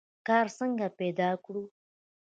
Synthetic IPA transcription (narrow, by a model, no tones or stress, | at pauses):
kɑɾsəŋɡapɛd̪ɑkɽu